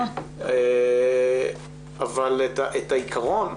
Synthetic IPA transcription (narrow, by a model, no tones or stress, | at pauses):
e | avaletaʔetaikʰaʁo̞n